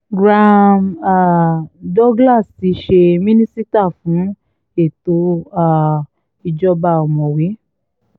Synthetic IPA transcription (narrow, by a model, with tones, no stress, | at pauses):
ɡɾã˧ma˨dɔ˦ɡla˦˨si˨˧˦ʃe˧mĩ˦nĩ˦si˦ta˦˨fũ˨˦ | e˦˨to˨˧˦a˦˨ | i˧d͡ʒɔ˧ba˧ɔ˨mɔ̃˨we˨˦